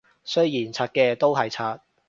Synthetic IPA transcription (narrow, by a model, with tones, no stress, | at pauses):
sɵ˥jiː˨˩nt͡sʰaː˧t̚kɛː˧t̪o˥wɦɐ˨jt͡sʰaː˧t̚